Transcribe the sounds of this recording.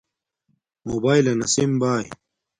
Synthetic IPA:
mobaːjlɐnɐsimbaːjḭ

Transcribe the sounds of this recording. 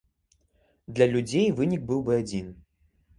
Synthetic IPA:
d̪lʲɐlʲud͡zʲejvɨnʲik̚bɨwbɨad͡zʲin

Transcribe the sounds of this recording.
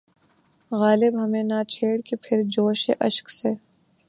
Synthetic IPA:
ɣaːlɪbɦɐmẽnat͡ʃʰeːɽkepʰɪɾd͡ʒoːʃḛʔɐʃkseː

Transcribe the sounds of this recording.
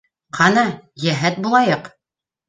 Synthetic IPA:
qʰɑnɑjæɦæt̪̚bulˠɑjɤq

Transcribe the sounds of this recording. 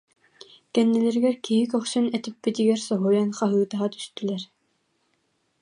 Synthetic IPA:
kɛnːɛlɛɾɡɛɾkʲʰiɦikɔχʃynɛt̪ipːit̪iɡɛɾsɔɦujɑnχɑɦɯːt̪ɑɦɑt̪ʰy̥st̪ylɛɾ

